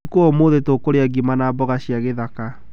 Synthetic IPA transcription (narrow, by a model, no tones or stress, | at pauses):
koɔmoðetokoɾeaɡimanabɔɣaɕjaɣeðaka